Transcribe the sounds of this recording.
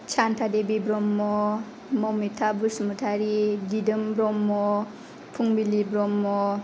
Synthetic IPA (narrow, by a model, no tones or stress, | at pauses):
t͡ʃʰantʰadebibɾɔmːɔ | mɔwmitʰabusmutʰaɾiɡidɯmbɾɔmːɔ | pʰuŋbilibɾɔmːɔ